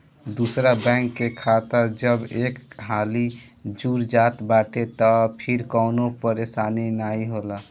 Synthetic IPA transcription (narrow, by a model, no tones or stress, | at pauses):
d̪usɾabɛ̃ŋkːekʰat̪əɾd͡ʒəbekɦali | d͡ʒuɾd͡ʒat̪baʈet̪ɔpʰiɾkəʊnopəɾesaninaiɦola